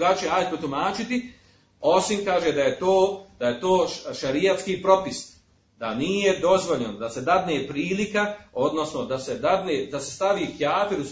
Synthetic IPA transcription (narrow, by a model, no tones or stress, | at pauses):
ɡaːt͡ʃieaːjd̪̚pot̪umaːt͡ʃit̪i | o̞simkaːʒed̪ajet̪oːd̪̥aje̞t̪o̞ːʃaɾijat̪skiːpɾo̞pis | d̪aniːje̞d̪o̞zʋo̞ʎand̪ase̞d̪ad̪neːpɾiːlikao̞d̪no̞sno̞d̪ase̞d̪ad̪neːd̪asest̪aʋiːxjaːt̪eɾus